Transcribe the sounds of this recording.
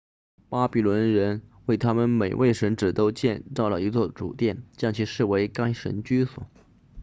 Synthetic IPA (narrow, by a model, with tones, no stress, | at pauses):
pa˥pi˨˩lwə˧˥nɻə˧˥nwe˥˩ɪt̪ʰa˥mə˨nme˨˩ɪwe˥˩ɪʂə˧˥nʈ͡ʂɻ̩˨˩t̪o˥ʊt͡ɕjɛ˥˧nt͡sɑ˥˩ʊlə˩i˧˥t͡swɔ˥˩ʈ͡ʂṵ˨˩t̪jɛ˥˩nt͡ɕjɑ˥˧ŋt͡ɕʰi˥˧ʂɻ̩˥˩we˧˥ɪka˥ŋʂə̰˧˥nt͡ɕy˥swɔ̰˨˩˦